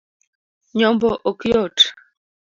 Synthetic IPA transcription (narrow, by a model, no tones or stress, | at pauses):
ɲɔmbɔʔokjɔt